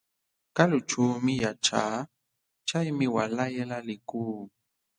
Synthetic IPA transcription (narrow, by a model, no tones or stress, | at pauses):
kalut͡ʃumijat͡ʃa | t͡ʃaimiwalajɛlaliku